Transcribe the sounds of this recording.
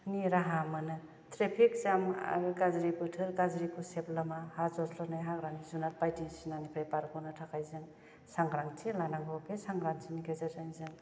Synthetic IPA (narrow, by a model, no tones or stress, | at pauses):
niɾaɦamɯnɯ | tɾepʰik̚zama̰ɾɯkazɾipɯtʰɯɾkazɾikʰɯseplamahazɔslɔnajɦaɡɾaŋizunat̚pajtisinanipʰajpaɾkʰɔnɯtʰakʰajzɯŋ | saŋɡɾaŋtʰelanaŋɡɔkʰesaŋɡɾaŋsʰinikʰazazanizɯŋ